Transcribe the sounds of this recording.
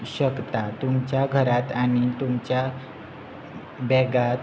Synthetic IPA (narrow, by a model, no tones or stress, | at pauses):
ɕəkt̪at̪umt͡ɕjaɡʱəɾat̪aɽ̃it̪umt͡ɕja | bɛɡat̪